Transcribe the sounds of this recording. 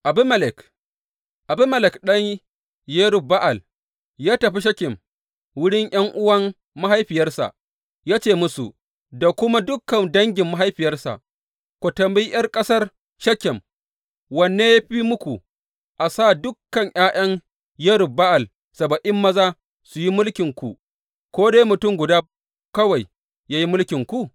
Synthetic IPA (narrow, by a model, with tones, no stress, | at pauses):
ʔa˨bɪ˦mɐ˦lɪ˨k | ʔa˨bɪ˦mɐ˨lɪ˨kɗɐ˦ɲ | je˦ɽʊ˨ba˦ʔa˨l | jaː˦tɐ˨ɸi˦ʃ̬ɐ˦kʲɪ˨m | wʊ˦ɽɪ˦ŋʔj̰ɐ˦ŋʔʊ˦wɐ˦mː | a˦ɦa˦jɸɪ˨jɐ˦rsa̰˨ʔ | jaː˦t͡ʃeː˦˨mʊ˦sṵ˨ | da˨kʷʊ˦ma˦dʊ˦kːɐ˨ndɐ˦ŋɡʲɪ˨mːa˦ɦa˦jɸɪ˨jɐ˦rsa̰˨ʔ | kʷo˨tɐ˨mbi˦jɐ˦rkʼɐ˦sɐ˦r | ʃɐ˦kʲɪ˨m | wɐ˨nːeː˦ja˦ɸiː˦mʊ˦kʷu˨ | ʔa˨saː˦˨dʊ˦kːɐ˨ɲʔaː˦j̰ʔɐ˦ŋ | jɐ˦ɽʊ˨ba˦ʔa˨l | sɐ˨bɐ˨ʔɪ˦mːɐ˦zaː˦ | su˨ji˦mʊ˦lkʲɪ˨ŋkʷu˨ | kʷoː˦daː˦jmʊ˨tʊ˦˨mɡʷʊ˨daː˦ | kɐ˦wa˨j | jaː˦ji˦mʊ˦lkʲɪ˨ŋkʷu˦